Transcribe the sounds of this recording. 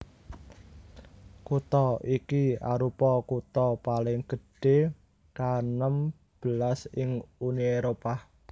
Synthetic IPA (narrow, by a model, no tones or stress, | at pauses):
kut̪ɔikia̰ɾupɔkut̪ɔpalɪŋɡ̥ə̤ɖ̥e̤ | kanəm | b̥əlasɪŋunieɾopa